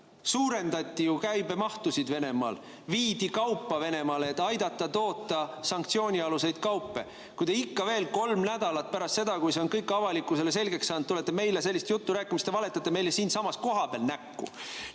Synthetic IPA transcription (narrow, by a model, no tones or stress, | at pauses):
suːɾe̞nd̪̥ɑt̪ʲːijukæjbe̞mɑht̪usid̪ve̞ne̞mɑ̰ːl | viːd̪̥ikɑwpːɑve̞ne̞mɑleːt̪ːˑɑjd̪ɑt̪ːˑɑt̪o̞ːt̪ːˑɑsɑŋk̚t̪sio̞ːnʲiɑluse̞jd̪̥kɑwpːe̞̰ | kujd̪eikːɑve̞ːlko̞lmnæd̪̥ɑlɑt̪̚pæɾɑst̪se̞d̪ɑkujse̞onkɤjkːɑvɑlikːˑuse̞les̬e̞lɡe̞kssɑːnd̪t̪ːule̞t̪ːˑeme̞jle̞s̬e̞lːist̪jut̪ːuɾæːkːˑimist̪evɑle̞t̪ːˑɑt̪ːˑe̞me̞jlesiːnsɑmɑsko̞ɦɑpḛːlnækːṵ